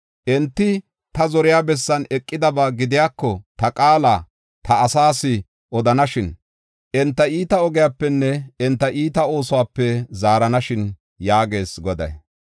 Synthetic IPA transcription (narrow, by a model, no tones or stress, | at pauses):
ʔɛnt̪ːɪ | t̪ɐzɔɾɪjaːbɛsːɐnɛkʼːɪd̪ɐbaːɡɪd̪ɪjaːkːɔt̪ɐkʼaːla | t̪ʰɐːsaːsɪ | ʔɔd̪ɐnɐʃɪn | ʔɛnt̪ːɐiːt̪ɐɔɡɪjaːpːɛnːɛɛnt̪ːɐʔiːt̪ɐo̞ːsʊwaːpːɛzaːɾɐnɐʃɪn | jaːɡe̞ːsɡɔd̪ɐ̰j